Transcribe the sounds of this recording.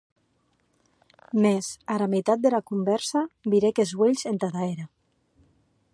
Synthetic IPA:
mezaɾamet̪at̪̚d̪elakumbɛɾsabiɾekezweʎzent̪aðaeɾa

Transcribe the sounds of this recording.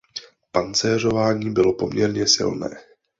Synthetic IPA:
pant͡sɛːro̞vaːɲiːbɪlo̞po̞̰mɲɛɾɲɛsɪ̰lnɛ̰ː

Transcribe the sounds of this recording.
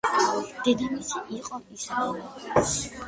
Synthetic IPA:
d̪̥ɛd̪imisʰiʔiqʼɔisɔl

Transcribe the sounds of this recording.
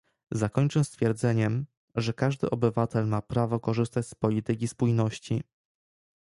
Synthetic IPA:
zakɔɲt͡ʂɛst̪fʲjɛɾd̪zɛɲɛm | ʐɛkaʐd̪ɘ̰ʔɔbɘvat̪ɛlmapɾavɔkɔʐɘst̪at͡ɕspɔlʲit̪ɘk̬ʲispujnɔɕt͡ɕi

